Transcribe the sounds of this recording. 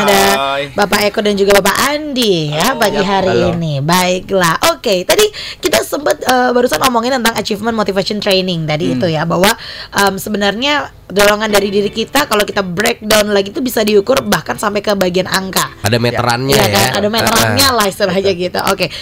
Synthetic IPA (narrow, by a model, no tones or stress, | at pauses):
adabapaekɔt̪̚dand͡ʒuɡabapaʔandijapaɡiɦaɾiːnibaɪk̚lahʔoket̪adikit̪asəmbət̪̚əːbaɾusanomɔŋɪnt̪ənt̪aŋat͡ʃifmənmot̪ifasiɔnt̪ɾejnɪŋt̪adiːt̪ujabaɦwaʔəmsəbənarɲa | doloŋandaɾidiɾikit̪akalowkit̪abɾek̚dawnlaɡit̪ubisadiukʊrbahkansampajkəbaɡiana̰ŋkaadamɛɾa̰nɲjakaʔadamet̪ɾanɲalahisəbad͡ʒaɡit̪ṵʔo̰ke